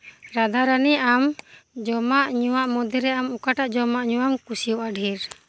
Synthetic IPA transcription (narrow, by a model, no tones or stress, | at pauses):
ɾad̪ʱaɾaniʔamd͡ʒɔmaʔɲuwaʔmɔd̪iɾɛamukaʈaʔd͡ʒɔmaʔɲuwamkusijɔwʔaɖʱiɾ